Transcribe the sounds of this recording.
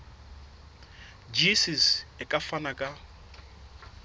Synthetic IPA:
d͡ʒisisɛkʼafanakʼa

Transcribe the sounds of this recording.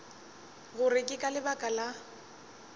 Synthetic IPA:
ɣʊrɪkʼɪkʼalɪbakʼala

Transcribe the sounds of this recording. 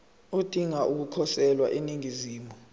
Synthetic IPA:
od̥ʱiŋaʔuk̬ukʰɔsɛlwa̰ʔeniŋiziːmu

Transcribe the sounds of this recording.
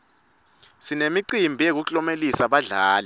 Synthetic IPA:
sinemiǀimbʱijek̬uɬɔmelisaɓaɮaːlɛ

